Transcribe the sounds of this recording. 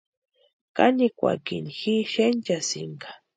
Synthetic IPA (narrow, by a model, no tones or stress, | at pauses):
kanikʷa̰kinxiʃent͡ʃasɪ̰ŋkḁ